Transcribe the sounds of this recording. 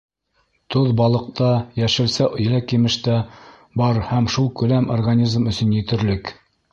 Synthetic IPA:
t̪oðbɑlˠɤ̆q̚t̪ɑjæʃɘ̆lsæʔŏjlækimɘ̆ʃt̪æ | bɑɾhæmʃulˠkʉ̆læmʔorɡanʲizmɵ̆sɵ̆njɘ̆t̪ɘ̆ɾlɘk

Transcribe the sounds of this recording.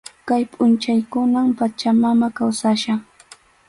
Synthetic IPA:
kajpʼʊnt͡ʃajkʊnampat͡ʃamamakawsaʃaŋ

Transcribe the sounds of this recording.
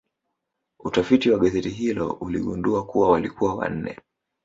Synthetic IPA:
utafitiwaɠazɛtiɦilɔ̰ulḭɠunduakuwawalikuwawa̰n̩nɛ̰

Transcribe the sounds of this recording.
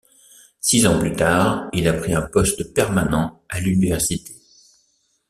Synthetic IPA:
sizɑ̃plyt̪aːʁilapχiɛ̃pɔst̪pɛʁmanɑ̃alynivɛʁsit̪e̥

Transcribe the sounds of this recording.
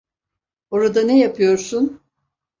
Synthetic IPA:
o̞ɾad̪anejapʰɯjo̞ɾsun

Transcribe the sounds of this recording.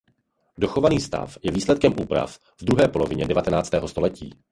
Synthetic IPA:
do̞xovaniːst̪a̰fjɛviːslɛt̪̚kɛmʔuːpɾa̰f | vd̪ɾuɦɛːpo̞lo̞vɪɲɛdɛvat̪ɛnaːt͡st̪ɛːɦo̞st̪o̞lɛcḭː

